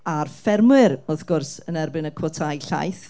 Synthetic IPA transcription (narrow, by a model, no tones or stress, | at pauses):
arfɛrmwɪɾɔθɡ̥ʊrsənɛrbɪnəkʰwɔtʰajɬa̰jθ